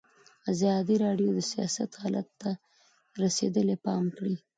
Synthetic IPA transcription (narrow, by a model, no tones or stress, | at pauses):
azɑd̪iɾɑɖjod̪əsijɑ̰sa̰t̪hɑla̰t̪ːa | ɾased̪əlepɑmkɽi